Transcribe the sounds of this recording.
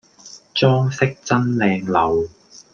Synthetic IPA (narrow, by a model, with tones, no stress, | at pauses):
t͡sɔː˥ŋsɪ˥k̚t͡sɐ˥nlɛː˧ŋlɐ˨w